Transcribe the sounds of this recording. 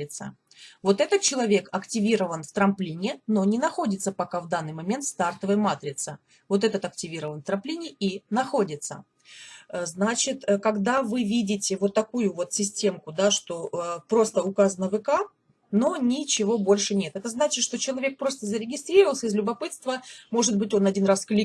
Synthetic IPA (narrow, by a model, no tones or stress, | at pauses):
ɪt̪sə̰ | vo̞t̪ɛt̪ət̪̚t͡ɕɪlˠɐvʲe̞kɐktʲɪvʲiɾəvənft̪ɾɐmplʲinʲɪno̞nʲɪnɐxo̞dʲɪt̪səpɐkavd̪anːɨjmɐmʲe̞nt̪st̪art̪əvəjəmat̪ɾʲɪt̪sə | vo̞t̪ɛt̪ət̪ɐktʲɪvʲiɾəvənft̪ɾɐmplʲinʲɪinɐxo̞dʲɪt̪sə̰ | znat͡ɕɪt̪kɐɡd̪avɨvʲidʲɪtʲɪvo̞t̪ːɐkujʊvo̞t̪sʲɪsʲtʲe̞mkʊd̪aʂt̪o̞ʔəpɾo̞st̪əʊkazənəvɨka | no̞nʲɪt͡ɕɪvo̞bo̞lʲʂɨnʲe̞t̪ɛt̪əznat͡ɕɪt̪ʂt̪o̞t͡ɕɪlˠɐvʲe̞k̚pɾo̞st̪əzəɾʲɪɡʲɪst̪ɾʲirɾəvəlˠsʲəɪzlʲʊbɐpɨt̪st̪vəmo̞ʐɨd̪̚bɨtʲo̞nɐdʲinrasklʲi